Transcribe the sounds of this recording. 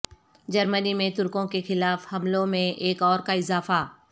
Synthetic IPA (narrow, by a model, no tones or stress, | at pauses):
d͡ʒɐɾmənimẽt̪ʊɾkõkexɪlaːfhɐmlõmẽʔeːkɔːɾkaɪzaːfa